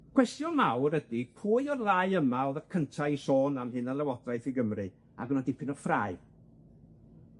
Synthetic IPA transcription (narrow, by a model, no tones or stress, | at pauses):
kʰw̥ɛstjɔnlawrədipʰuːɨɔrðaɨəmaɔðərkʰəntʰaisoːnamhɨnalˠɛwɔdrajθiɡəmrɨ | a̰ɡɔnadɪpʰɪnɔrfraɨ